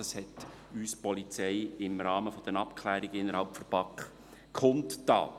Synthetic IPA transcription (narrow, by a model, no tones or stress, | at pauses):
ɑshɛt | yːspɔlit͡sɛjɪmɾɑːməfɔd̥̪ənɑpkʰlæːɾɪɡ̥əɪnːəɾhalpfərpɑkχ | kʰχʊnttɑ̰ː